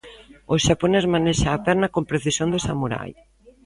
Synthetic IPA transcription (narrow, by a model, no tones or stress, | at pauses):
oʃaponezmaneʃaːpɛɾnakompɾeθisjõnd̪esa̰muɾa̰j